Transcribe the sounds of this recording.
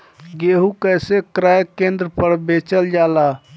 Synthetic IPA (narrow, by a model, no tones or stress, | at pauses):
ɡeɦukəjsekɾajkend̪ɾəpəɾbet͡ʃəld͡ʒala